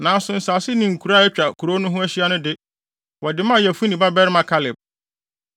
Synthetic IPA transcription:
nã˨˦sʊ̃˨n̩˨sa˨sɪ˦nɪ̃˨ŋ̩˨kʰu˨ɾa˦˨ɛ˦t͡ɕᶣa˨kʰu˨ɾo˦nʊ̃˦ɦʊ̃˦æ˦ɕi˦a˦nʊ̃˦dɪ˦ | wʔɔ˨dɪ˨mã˦˨jɛ˨fu˦nĩ˨ba˦bɛ˦ɾɪ˦mã˨kʰa˦lɪ˨b̚

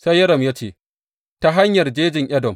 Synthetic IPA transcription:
sa˦jːɐ˦ɽɐ˨mjaː˦t͡ʃeː˦˨ | ta˦ɦa˦ɲjɐ˨rd͡ʒeː˦d͡ʒɪ˨ŋʔɐ˦dɔ˨m

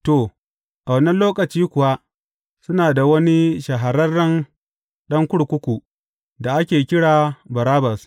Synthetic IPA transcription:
to˨ | ʔa˨wɐ˨˦nɐ˦nloː˦kɐ˨t͡ʃiː˦kʷʊ˨wa˦ | sʊ˦naː˨da˨wɐ˦ni˦ʃɐ˨ɦa˨ɾɐ˦rːɐ˦n | ɗɐ˦ŋkʷʊ˦ɽkʷʊ˦kʷu˨ | da˨ʔa˦kʲeː˨kʲɪ˦ɽaː˨bɐ˨ɾaː˦bɐ˨s

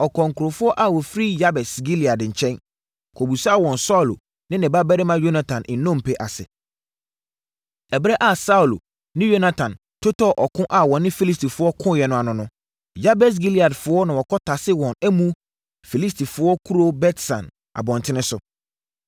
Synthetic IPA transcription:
ɔ˨kʰɔ̃˨ŋ˨kʰʊ˨ɾo˨fʊ˦ɔ˦ʔa˨wɔ˨fɾi˦ja˦bɛ˨sɡi˦li˨a˨dɲ̩˨t͡ɕʰɛ̃˦n | kʰo˨bu˨swɔ̃˨nsa˦ʊ˨lo̰˨ | nɪ̃˦nɪ̃˨ba˦bɛ˦ɾɪ˦mã˦jo˦nã˦tʰã˨nʔɪ̃˨nːɔ̃˦˨m̩˨pʰɛ˨ʔa˨sɪ̰˨ | ɛ˨bɾɛ˦ʔa˦˨sa˦u˨lo˨ | nɪ̃˦jo˦na˦tʰã˨n | tʰo˦tʰɔ˦ʔɔ˨kʰʊ̃˦ʔa˨wɔ̃˨nɪ̃˦fi˦li˦stʰi˨fʊ˦ɔ˦kʰʊ̃˦jɛ˨nʊ̃˦a˨nʊ̃˨nʊ̃˦ | ja˦bɛ˨s̬ɡi˦li˨a˨dfʊ˦ɔ˦nã˨wɔ˨kʰɔ˦tʰa˨sɪ˦wɔ̃˨nɛ˦mũ˦ | fi˨li˦stʰi˨fʊ˦ɔ˦kʰu˦ɾo˦bɛ˦tsã̰˨n | a̰˨bɔ̃˨ntʰɪ̃˦nɪ̃˦sʊ˨

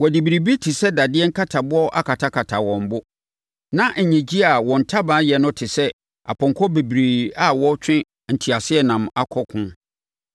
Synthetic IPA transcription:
wɔ˨di˨bi˨ɾi˨bi˦tʰɪ˨sɛ˦da˨dɪ˦ɛ˦ŋ̩˦kʰa˦tʰa˨bʊ˦ɔ˦ʔa̰˦kʰa˨tʰa˦kʰa˨tʰa˨wɔ̃˨m˨bʊ˦ | nã˦ʔ̩˨ɲɛ̃˨d͡ʑi˦a˨wɔ̃˨n̩˨tʰa˦bãː˨˦jɛ˨nʊ̃˦tʰɪ˨sɛ˦ | a̰˨pʰɔ̃˨ŋkʰɔ˦be˨bɾeː˨a˨wɔ˦t͡ɕʰᶣɪ̃˦ | n̩˨tʰi˨a˨sɪ˦ɛ˦˨nã˨ma˦kʰɔ˦kʰʊ̃˦

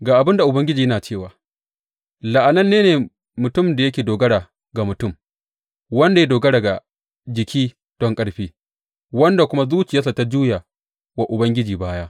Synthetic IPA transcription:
ɡaː˨ʔa˨bɪ˦nda˨ʔʊ˨bɐ˦ŋɡʲɪ˦d͡ʒiː˨jɐ˦naː˨t͡ʃeː˦˨waː˨ | lɐ˨ʔa˨nɐ˦nːeː˦neː˨ | mʊ˨tʊ˦mda˨jɐ˦kʲeː˨doː˨ɡɐ˦ɽa˨ | ɡa˨mʊ˨tʊ˦m | wɐ˦nda˨ja˦doː˨ɡɐ˦ɽa˨ɡa˨ | d͡ʒɪ˨kʲiː˦ | d̥ɔ˦ŋkʼɐ˦ɽɸiː˦ | wɐ˦nda˨kʷʊ˦ma˦zuː˦t͡ʃɪ˨ja˦sa˨ta˦d͡ʒuː˦ja˨ | wa˨ʔʊ˨bɐ˦ŋɡʲɪ˦d͡ʒiː˨baː˦ja˦ʔ

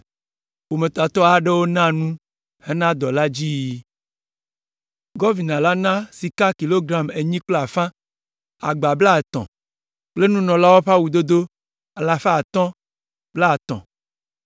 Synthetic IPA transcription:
wo˨me˨t̪a˨t̪ɔ˦a˨ɖe˦wo˦nã˦nũ˦ | he˦nã˦d̪ɔ˨la˦d͡ʑi˦ji˦ | ɡɔ˦vi˨nã˨la˦nã˦si˨ka˦ki˨lo˦ɡɾa˨me˨ɲĩ˦k͡plo˦a˨fã˦ | a̰˨ɡ͡ba˨bla˦˨e˨t̪ɔ̰̃˨ | k͡ple˦nũ˦nɔ̃˨la˦wo˦ɸa˦wu˨d̪o˦d̪o˦ | a˨la˨fa˦˨t̪ɔ̃˦ | b̥la˦˨t̪ɔ̰̃˨

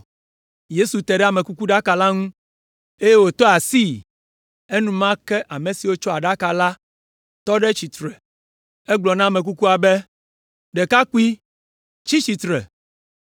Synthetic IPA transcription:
je˦su˨t̪ɛ˨ɖɛ˦a˨mẽ˨ku˦ku˦ɖa˦ka˨la˦ŋũ˦ | e˦je˦wo˨t̪ɔ˦a˨si˦ | e˦nũ˦mã˦kɛ˦ʔa˨mẽ˨si˨wo˦t͡ʃɔ˦a˨ɖa˦ka˨la˦ | t̪ɔ˦ɖɛ˦t͡ɕi˨t̪ɾɛ˨ | ɛ˦ɡ͡blɔ˨nã˦˨me˨k̬u˦ku˦a˨bɛ˦ | ɖɛ˨ka˦ku˦i˦ | t͡ʃi˦t͡ɕi˨t̪ɾɛ̰˨

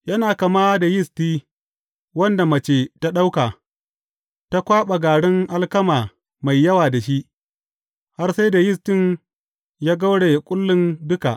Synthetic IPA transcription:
jɐ˦naː˨ka˨maː˦da˨jɪ˦stiː˦ | wɐ˦nda˨mɐ˨t͡ʃeː˨ta˦ɗa˦wka˨ | ta˦kʷaː˦ɓa˨ɡaː˨ɽɪ˦ŋʔa˦lkɐ˦maː˨ | ma˨jːɐ˦waː˨da˨ʃi˦ʔ | ha˦rsa˦jda˨jɪ˦stɪ˦ɲ | jaː˦ɡa˦wɽe˨kʷʼʊ˦lːɪ˦ndʊ˦ka̰˨ʔ

